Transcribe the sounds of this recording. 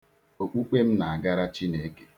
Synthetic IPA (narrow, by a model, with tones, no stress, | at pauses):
o˨k͡pu˦k͡pe˦m̩˦na˨a˨ɡa˦ɾa˦t͡ʃi˦ne˨˦ke̥˨